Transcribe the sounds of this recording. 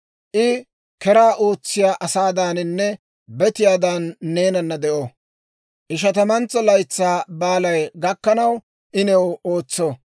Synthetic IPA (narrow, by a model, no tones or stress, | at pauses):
ʔɪ | kɛɾaːʔo̞ːt͡sːɪjaːʔɐsaːd̪aːnɪnːɛ | bɛt̪ɪjaːd̪aːnːe̞ːnɐnːɐd̪ɛʔo | ʔɪʃ̬ɐt̪ɐmɐnt͡sːɐlɐjt͡sːaːbaːlɐjɡɐkːɐnɐw | ʔɪnɛwo̞ːt͡sːo